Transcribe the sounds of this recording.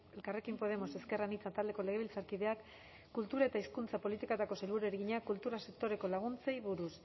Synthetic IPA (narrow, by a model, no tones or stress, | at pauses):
elkare̞kimpo̞ð̞e̞mo̞se̞ske̞ranit͡sat̪ald̪e̞kole̞ɣeilt͡saɾkiðe̞akː | ult̪uɾae̞t̪aiskunt͡sapo̞lit̪ikat̪ako̞sejlβuɾeɾɣiɲakult̪uɾase̞k̚t̪o̞ɾe̞ko̞laɣ̞unt͡sejβuɾus